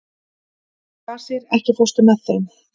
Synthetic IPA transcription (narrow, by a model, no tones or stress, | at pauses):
θaɾ̥sjɛɾɛhcɪfɔst̪ʏmɛðθeɥm